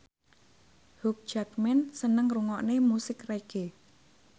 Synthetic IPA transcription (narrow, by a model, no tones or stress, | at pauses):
huk̚t͡ɕak̚mɛnsənəŋruŋɔʔneːmusikrəjkeː